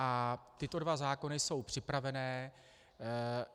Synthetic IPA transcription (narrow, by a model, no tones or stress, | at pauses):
ʔat̪ɪt̪o̞dvazaːko̞nɪso̞wpr̥ɪpɾavɛnɛː